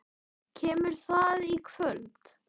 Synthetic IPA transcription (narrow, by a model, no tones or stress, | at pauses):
cʰɛːmʏɾ̥θaðikʰvœlt̪